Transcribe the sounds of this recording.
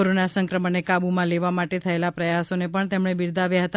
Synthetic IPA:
oɾonasə̃ŋkɾəməɳekabumãleʋamaʈet̪ʰəelapɾəjasonepəɳt̪emɳ̃ebiɾd̪ʱaʋjaɦət̪a

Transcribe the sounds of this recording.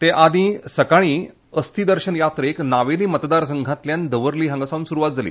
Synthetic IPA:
t̪eʔad̪ĩsəkaɽ̃i | əst̪iːd̪əɾɕənjat̪ɾəeknaʋeliːmət̪d̪aɾs̬əŋɡʱãt̪ljand̪əʋəɾliːɦãŋɡəsaʋuːnsuɾuʋat̪̚d͡zalḭː

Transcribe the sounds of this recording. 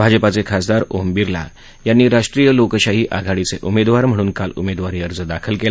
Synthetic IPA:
bʱad͡ʑəpat͡sekʰasd̪aɾoɦmbiɾla̰ | janːiːɾaʂʈɾijəlokəɕaɦiːʔaɡʱaɽit͡seʔumed̪ʋaɾm̤əɽ̃uːnkalumed̪ʋaɾiəɾd͡zəd̪akʰəlkela

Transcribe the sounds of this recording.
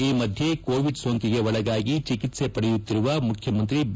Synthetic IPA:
iːmɐd̪ʱjekoːʋiɖsoːŋkiɡeʋɐɭɐɡaːɡit͡ʃikit̪sepɐɽejut̪ːiɾuʋɐmukʰjɐmɐnt̪ɾib

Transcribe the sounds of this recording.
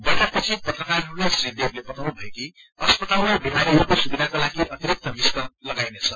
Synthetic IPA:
bʌʈapʌt͡sʰipʌt̪rʌkarɦʌɾulasrid̪eɾlepʌt̪ʰawnubʱʌeki | ʌspʌt̪alobimaɾiɦɾukosubid̪ʱakolaɡiʔʌt̪iɾik̚t̪ʌbistʌlʌɡajnet͡sʰʌ

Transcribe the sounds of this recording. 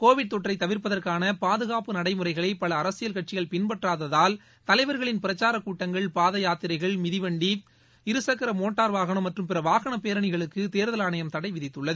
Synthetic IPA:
koːʋɪɽ̚t̪ɔʈrɐɪt̪ɐʋɪɾpɐðɐrkaːnɐpaːðɯɣaːpɯnɐɽɐɪmɯɾɐɪɣɐɭɐɪpɐɭɐːɾɐsɪjɐlkɐʈ̚t͡ʃɪjɐɭpɪnpɐʈraːðɐðaːl | t̪ɐlɐɪʋɐɾɣɐɭɪnpɪɾɐt͡ʃːaːɾɐkuːʈːɐŋɡɐɭpaːðɐjaːt̪ɪɾɐɪɣɐɭmɪðɪʋɐɳɖi | ɪɾɯsɐkːɐɾɐmoːʈːaːɾʋaːɣɐɳɐmːɐʈrɯmpɪɾɐʋaːɣɐɳɐpeːɾɐɳɪɣɐɭɯkːɯt̪eːɾðɐlaːɳɐjɐmt̪ɐɽɐɪʋɪðɪt̪ːɯɭːɐðɯ

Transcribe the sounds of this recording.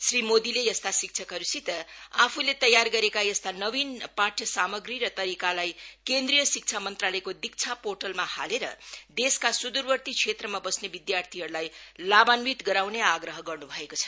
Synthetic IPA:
srimod̪ilejʌst̪asik̚t͡sʰʌkʌɾusit̪ʌapʰulet̪ʌjarɡʌɾekajʌst̪anʌbinpaʈʰjʌsamʌɡɾiɾʌt̪ʌɾikalajkend̪rijʌsik̚t͡sʰamʌnt̪ralʌekod̪ik̚t͡sʰaporʈʌlmahaleɾʌ̰d̪eskasud̪uɾbʌrt̪it͡sʰet̪rʌmabʌsnebid̪jart̪ʰiɦʌɾulajlabanbit̪ɡʌɾawneaɡɾʌɦʌɡʌrnubʱʌekot͡sʰʌ̥

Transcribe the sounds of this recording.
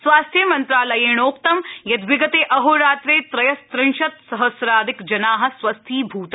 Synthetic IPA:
sʋaːst̪ʰjɐmɐnt̪ɾaːlɐjeːɳ̃oːkt̪ɐmjɐd̪ʋɪɡɐt̪eːʔɐɦoːɾaːt̪ɾeːt̪ɾɐjɐst̪ɾɪ̃nʃɐt̪sɐɦɐsɾaːd̪ɪkd͡ʒɐnaːɦɐ̆sʋɐst̪ʰiːbʱuːt̪ɐ

